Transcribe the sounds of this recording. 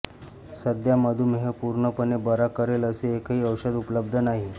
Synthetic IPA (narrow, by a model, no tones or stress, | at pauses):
səd̪jaməd̪ʱumɦepuɾɳəpənebəɾakəɾeləseːkɦiːəwɕəd̪upləb̚d̪ʱənaɦi